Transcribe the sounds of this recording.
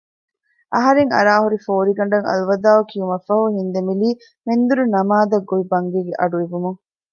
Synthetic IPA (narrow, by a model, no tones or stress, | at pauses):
ʔɐɦɐɾeŋɐ̰ɾaːɦuɾifoːɾiɡɐɳ̆ɖɐŋɐ̰luʋɐd̪aːʋɐkiumɐfɐhuhind̪emiliː | mend̪uɾunɐmaːd̪ɐɡːoʋibɐŋɡeːɡeʔɐɖueʋumuŋ